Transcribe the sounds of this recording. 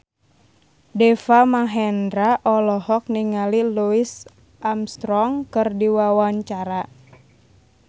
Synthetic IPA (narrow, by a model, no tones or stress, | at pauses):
dɛfamaɦɛndɾaʔɔlɔhɔk̚niŋaliluis | ʔamst̪ɾɔŋkɨrdiwawaɲt͡ʃaɾa